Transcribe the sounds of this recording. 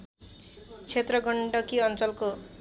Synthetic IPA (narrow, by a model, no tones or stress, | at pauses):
t͡ʃʰet̪ɾɔɡɔɳɖɔkiɔnt͡ʃɔlko